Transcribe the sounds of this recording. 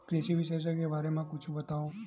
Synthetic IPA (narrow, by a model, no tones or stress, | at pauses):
kɾeʃiʋiʃeʃ̬əkeʋaɾemãkut͡ʃʰũbət̪ao